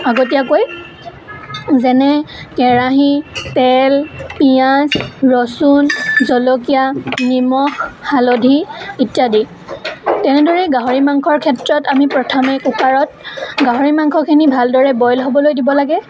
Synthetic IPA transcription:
aɡot̬ijakoj | zɛnɛkɛɹaɦitɛlpijasɹɔsunzɔlokijanimɔxːalodʱiitijadi | tɛnɛdʱoɹɛɡaɦoɹimaŋkʰɔɹkʰɛtɹɔtamipɹɔtʰɔmɛkukaɹɔt̚ɡaɦoɹimaŋkʰɔkʰinibʱaldɔɹɛbɔjlɦobɔlojdibɔlaɡɛ

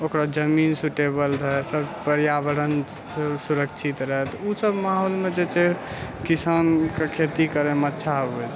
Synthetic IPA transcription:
okɾad͡ʒəminsuʈebəlɾəɦɛsəbpəɾjabəɾən | suɾəkt͡ʃʰit̪ɾəɦɛt̪usəbmaɦolmed͡ʒet͡ʃe | kisankekʰet̪ikəɾemətːʃʰaɦobe

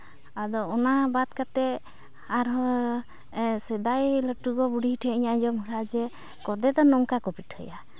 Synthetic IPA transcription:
ad̪ɔɔnabat̪kat̪ɛ | aɾɔ | sɛd̪ajləʈuɡɔbuɽiɦiʈʰɛiɲad͡ʒɔmɔɾad͡ʒɛ | kɔd̪ɛd̪ɔnɔŋkakɔpiʈhə̰ja

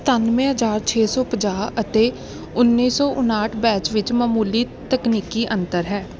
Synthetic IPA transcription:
t̪ənmẽːɦəd͡ʒaːɾt͡ʃʰeːsɔːpəd͡ʒaːət̪eː | ʊnːiːsɔːʔʊnaːʈʰbɛːt͡ʃʋɪt͡ʃməːmuːliː | t̪əkniːkiːʔənt̪əɾɦɛː

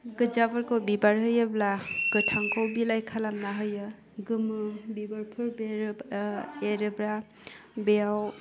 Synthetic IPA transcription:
ɡɯd͡ʒabaɾkowbibaɾɦɯjɯblaɡ̥ɯtʰaŋkʰowbilajkʰalamnaɦɯjɯ | ɡɯmɯbibaɾpʰɯɾbeɾ | eɾɯbɾa | beaw

